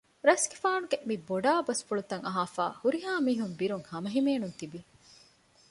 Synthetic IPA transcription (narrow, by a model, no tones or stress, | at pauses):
ɾɐsɡefaːnuɡemiboɖaːbɐsfuɭut̪ɐŋɐɦaːfa̰ːhuɾiɦaːmiːɦumbiɾuŋhɐmɐɦimeːnunt̪ibi